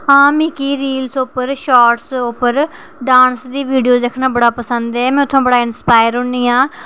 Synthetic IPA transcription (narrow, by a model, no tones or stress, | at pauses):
ɦãːmiːkiːɾiːlsʊpəɾʃɔːʈsʊpəɾ | ɖãːnsd̪iːʋiːɖijoːd̪ekʰnãːbəɽaːpəsənd̪ɛːmɛ̃ːʊt̪ʰːõːbəɽaːɪnspaːɪɾɦʊɳiːãː